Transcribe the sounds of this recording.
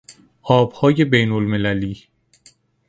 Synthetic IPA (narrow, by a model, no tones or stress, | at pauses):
ʔɒːb̥hɒːje̞bejnolme̞læliː